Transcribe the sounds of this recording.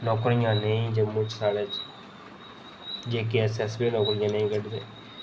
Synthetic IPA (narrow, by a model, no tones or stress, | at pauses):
nɔːkɾɪjãːnəĩːd͡ʒəmʊ̃t͡ʃsaːɽeːt͡ʃ | d͡ʒeːk̬iɛsɛsbiːnɔːkɾɪjãːnəĩːkəʈd̪ḛː